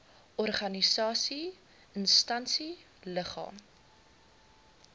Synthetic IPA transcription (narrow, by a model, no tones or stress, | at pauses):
ʔɔrχɐnisɑːsi | ənstɐnsi | ləχɑ̰ːm